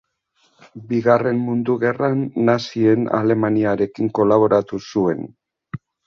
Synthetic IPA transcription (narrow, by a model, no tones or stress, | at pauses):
biɣare̞mmund̪uɣe̞ranːasie̞na̰le̞maniaɾe̞kiŋko̞laβ̞o̞ɾat̪usue̞n